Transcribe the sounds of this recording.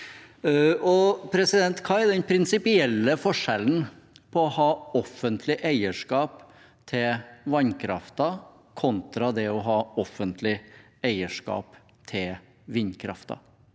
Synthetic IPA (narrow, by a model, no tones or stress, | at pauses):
ɔpʰɾɛsɪd̪ɛnt̪kʰɑːɛɖɛnpʰɾɪnsɪpɪɛlːəfɔʂɛln̩ | pʰɔːhɑːɔfənt̪ʰlɪʔæɪəʂkɑːp | t̪ʰɪlʋɑɲkʰɾɑ̰ft̪ɑ | kʰɔnt̪ɾɑd̪ɛɔɦɑːɔfənt̪ʰlɪ | æɪəʂkɑ̰ːp | t̪ʰɪl | ʋɪɲkʰɾɑ̰ft̪ɑ̰